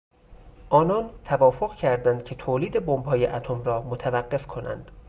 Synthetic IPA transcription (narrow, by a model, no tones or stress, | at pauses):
ʔɒːnɒːnt̪ʰævɒːfo̞ɣcʰæɾd̪ænd̪̚cʲʰe̞t̪ʰoːliːd̪ebombɦɒːjeʔæt̪ʰomɾɒːmot̪ʰævæɢːe̞fkʰo̞næ̰nd̪̥